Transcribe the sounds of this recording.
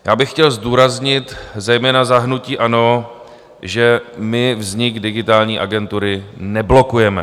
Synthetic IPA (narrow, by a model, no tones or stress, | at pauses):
jaːbɪxːcɛlzduːɾazɲɪt̪zɛjmɛːnazaɦnuciːʔano̞ | ʒɛmɪvzɲɪɡdɪɡɪt̪aːlɲiːʔaɡɛnt̪uɾɪnɛblo̞kujɛmɛ̰